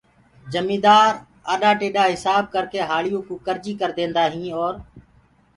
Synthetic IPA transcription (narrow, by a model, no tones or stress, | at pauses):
d͡ʒəmĩːd̪aːɾ | aːɗaːʈeːɗaːɦɪsaːb̚kəɾkeːɦaːlɪjõːkũːkəɾd͡ʒiːkəɾd̪ẽːnd̪aːɦĩːɔːɾ